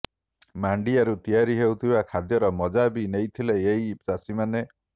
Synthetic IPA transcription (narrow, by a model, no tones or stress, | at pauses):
maɳɖiaɾut̪ijaɾiɦewt̪ʰibakʰad̪jɔɾɔmɔd͡ʒabinejt̪ʰileeisasimane